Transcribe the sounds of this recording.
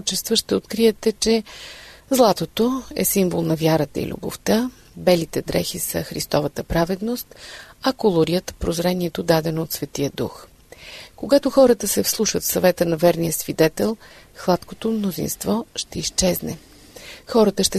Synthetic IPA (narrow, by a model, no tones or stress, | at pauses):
t͡ʃɛst̪vəʃt̪ɛot̪kɾiɛt̪ɛt͡ʃɛ | zlˠat̪ot̪oɛ̰simbolˠnɐvjaɾət̪ə̰ḭlʲṵbo̰ft̪a | bɛlit̪ɛd̪ɾɛ̰xisə̰xɾḭst̪ɔvɐt̪əpɾavɛd̪nost̪ɐkolˠoɾiət̪pɾozɾɛniɛt̪od̪ad̪ɛnoːt̪svɛt̪ijəd̪ṵx | koɡat̪oxɔɾət̪əsɛfslˠuʃət̪fsɐvɛt̪ənɐvɛɾnijəsvid̪ɛt̪ɛlˠ | xlˠat̪kot̪omnozḭnst̪vɔʃt̪ɛist͡ʃɛznɛ̰ | xɔɾət̪əʃt̪ɛ